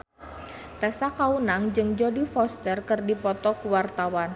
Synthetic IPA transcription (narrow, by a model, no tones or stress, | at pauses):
t̪ɛsakaunaŋd͡ʒɨŋd͡ʒɔdifɔst̪ərkɨrdipɔt̪ɔkuwart̪awan